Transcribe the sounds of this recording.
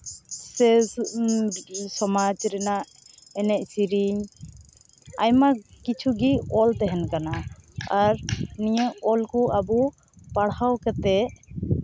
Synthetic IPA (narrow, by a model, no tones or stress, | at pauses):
sɛ | sɔmad͡ʒɾɛnaʔ | ɛnɛʔsiɾiɲ | ajmakit͡ʃʰuɡiɔlt̪ɛɦɛnkanaaɾnijəʔɔlkɔabu | paɽhawkɛt̪ɛʔ